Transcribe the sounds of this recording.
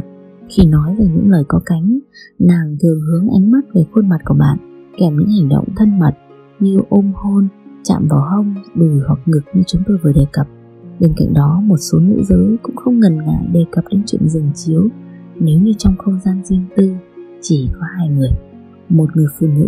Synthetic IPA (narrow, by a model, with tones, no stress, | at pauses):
xi˧˩nɔ˨˦jvaː˨˩ɲɨ̰˧˥ŋləː˨˩jkɔ˨˦ka˨˦jŋ̟naː˨˩ŋt̪ɨ˨˩əŋhɨ˨˦əŋʔa˨˦jŋ̟ma˦˥t̚ve˨˩xwə˧nma˨˩t̚ku˧˩əɓa̰ː˧˨nkɛ˧˩mɲɨ̰˧˥ŋha˨˩jŋ̟ɗo̰˧˨wŋ͡mt̪ʰə˧nmə˨˩t̚ | ɲɨ˧ʔo˧mho˧nt͡ɕa̰ː˧˨mvaː˨˩wɦə˧wŋ͡mɗu˨˩jhwa˨˩k̚ŋɨ˨˩k̚ɲɨ˧t͡ɕʊ˨˦ŋ͡mt̪o˧jvəː˨˩jɗe˨˩kə˨˩p̚ | ɓe˧ŋka̰˧˨ŋ̟ɗɔ˨˦mo˨˩t̚so˨˦nɨ̰˧˥zəː˨˦jkʊ̰˧˥ŋ͡mxə˧wŋ͡mŋə˨˩nŋa̰ː˧˨ɗe˨˩kə˨˩p̚ɗe˨˦nt͡ɕwḭ˧˨ənzɨ˨˩ŋt͡ɕi˨˦əw | ne˨˦wɲɨ˧t͡ɕɔ˧wŋ͡mxə˧wŋ͡mzaː˧nzi˧əŋt̪ɨ˧t͡ɕi˧˩kɔ˨˦haː˧jŋɨ˨˩əj | mo˨˩t̚ŋɨ˨˩əjfṵ˧˩˨nɨ̰˧˥